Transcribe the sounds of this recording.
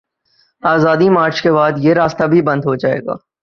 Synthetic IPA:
aːzaːd̪imaːɾt͡ʃkebaːd̪jeɾaːst̪abʱibɐ̃nd̪ɦod͡ʒaːḛːɡa̰ː

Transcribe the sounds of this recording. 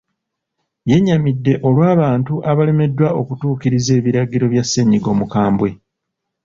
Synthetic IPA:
je̞ɲːamidːe̞ʔo̞lwaːβaːntuʔaβale̞me̞dːwao̞kutuːkiɾize̞ːβiɾaɡiɾo̞βjasːe̞ɲiɡo̞ːmukaːmbwe̞

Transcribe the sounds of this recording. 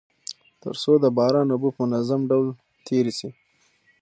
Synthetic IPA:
t̪ə̰ɾsod̪əbɑɾɑnʊbupəmʊnazamɖawl | t̪ʰeɾisi

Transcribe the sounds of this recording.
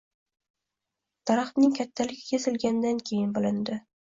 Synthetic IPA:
t̪ʰɑɾɑχt̪nɪŋkʲʰat̪ʰːalɪɡʲɪkʲʰesɪlɡʲand̪ankʲʰejɪnbɪlɪnd̪ɪ

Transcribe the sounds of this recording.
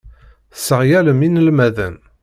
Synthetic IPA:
səʁjæləminəlmæðæn

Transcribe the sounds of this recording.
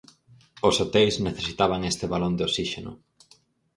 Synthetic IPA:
osot̪ejzneθesit̪aβ̞aŋest̪ɪβalond̪eosiʃenʊ̰

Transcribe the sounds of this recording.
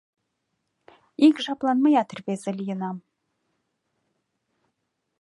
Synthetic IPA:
ikʒɑplˠɑnmɑjɑt̪ʰərvezɪlʲijənɑm

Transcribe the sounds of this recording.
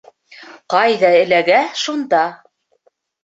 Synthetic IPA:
qɑjðɑɘ̆læɡæʃund̪ɑ

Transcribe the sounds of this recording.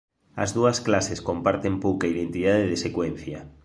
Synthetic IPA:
a̰zðuasklaseskompaɾt̪empowkaiðent̪ið̞aðeðesekwen̟θja

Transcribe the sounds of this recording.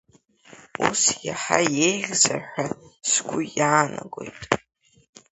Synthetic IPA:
usjaħajejʁʲzaħʷᶣaskʷʰʊjaːnaɡo̞jtʼ

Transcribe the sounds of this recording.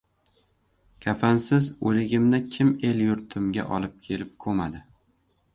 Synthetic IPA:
kʲʰafansɪzolɪɡʲɪmnɪkʲʰɪme̞ljʊɾt̪ʰɪmɡʲa̰ʔɒlɪp̚kʲʰe̞lɪp̚kʰɵmad̪ɪ

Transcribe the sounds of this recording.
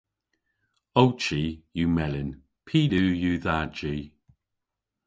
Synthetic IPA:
owt͡ʃiːjuːmɛlɪn | pʰiːlʉːjuːðad͡ʒiː

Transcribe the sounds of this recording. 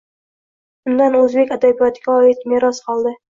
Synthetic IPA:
bʊnd̪anɵzbe̞kʲad̪abijɒt̪ɡʲaɒjɪt̪meɾɒsqɒlˠd̪ɪ

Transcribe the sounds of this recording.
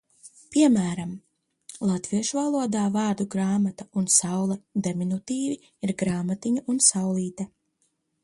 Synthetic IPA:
piɛmæːɾam | lˠat̪viɛʃuvalˠuɔd̪aːvɑːɾd̪uɡɾaːmat̪aunsawlˠɛd̪eminut̪iːvi | iɾɡɾaːmat̪iɲaʔunsawlˠiːt̪ɛ

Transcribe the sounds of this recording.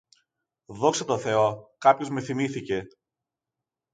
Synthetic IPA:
ðo̞kset̪o̞θe̞o̞kɐpço̞zme̞θimiθice̞

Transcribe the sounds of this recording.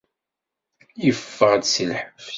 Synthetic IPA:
jəfːəʁd̪səlħəf

